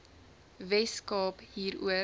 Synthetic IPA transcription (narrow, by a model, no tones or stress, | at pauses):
vɛskɑːpɦiːɾṵə